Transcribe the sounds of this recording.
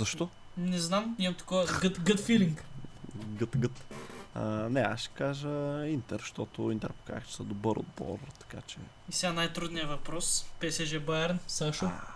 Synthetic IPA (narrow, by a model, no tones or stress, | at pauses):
zɐʃt̪ɔ | nɛznamnit̪ɐ̥kɔvəɡət̪ɡət̪filiŋk | ɡət̪ɡət̪ | nɛa̰sʃɛ̥kaʒəint̪ɛɾʃt̪ɔt̪ʊint̪ɛɾpo̥ka̰xt͡ʃɛ̥səd̪obəɾo̰d̪̚bɔ̰rt̪ɐ̥kat͡ʃɛ̰ | isɛɡanajt̪ɾud̪nijəvɐpɾɔspɛsɛʒɛbaɛɾnsaʃo